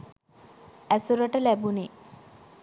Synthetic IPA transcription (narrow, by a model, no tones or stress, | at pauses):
æsuɾəʈəlæbune